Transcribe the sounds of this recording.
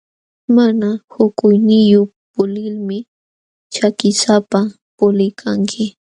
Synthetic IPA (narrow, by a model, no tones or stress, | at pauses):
manahʊkʊjnɪjʊ | pʊlɪlmɪ | t͡ʃakɪsapa | pʊlɪjkʰaŋkʰɪ